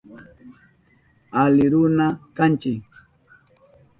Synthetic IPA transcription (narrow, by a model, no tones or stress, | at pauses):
alɪɾʊnakant͡ʃɪk